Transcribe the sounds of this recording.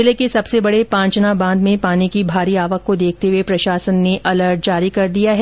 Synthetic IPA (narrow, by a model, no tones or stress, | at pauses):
ɪlekesɐbsebɐɽepãːɲt͡ʃnabãːnd̪mẽpaːnikibʱaːɾiaːʋəkːod̪eːk̚ʰt̪eɦʋepɾɐʃaːsənːeʔɐləɾʈ̚d͡ʒaːɾikɐɾd̪ijaɦɛ